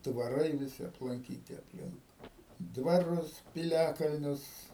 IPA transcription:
dʋɐˈrɐɪ ʋʲɪˈsʲɪ ɐplˠɐŋʲˈkʲiːtʲɪ ɐpʲˈlʲɪŋk dʋɐˈrʊs pʲɪˈlʲæːkɐlʲnʲʊs

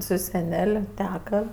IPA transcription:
sʊ sʲɛˈnʲɛlʲ ˈtʲæːkɐ

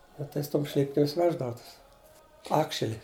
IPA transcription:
ˈnʊ tɐɪ sʊ ˈtoːm ˈʃʲlʲɪpʲkʲɪms ˈʋʲæːʒdɐʋʊ ˈtʊs ˈɑːkʃʲɛlʲɪ

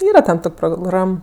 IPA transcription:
ˈiːrɐ tʲɛn ˈtoːkʲ proːˈɡrɐm

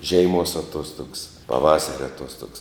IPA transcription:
ˈʒʲɛɪˌmuɔs ɐˈtuɔstʊks pɐˈʋɑːsɐrʲɛ ɐˈtuɔstoːks

